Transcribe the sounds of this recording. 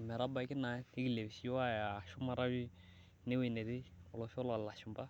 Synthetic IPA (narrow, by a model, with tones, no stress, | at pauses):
mɛ˨ɾa˦ba˨˦kɪ˦na˨˦e˦ɡi˨le˨βsi˦a˦ja˨ʃʊ˦ma˦ɾa˦wi˦ | ne˦we˨nɛ˨ɾɪ˦ʊ˨lɔ˨fɪ˦ɔ˦la˨la˨ʃʊ˨mba˦